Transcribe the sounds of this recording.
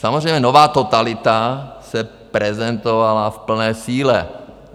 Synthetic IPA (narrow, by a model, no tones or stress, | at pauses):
samɔzɾrɛjmɲɛnovaːt̪ot̪alɪt̪asɛ | pɾɛzɛnt̪ɔʋalafpl̩nɛːsiːlɛ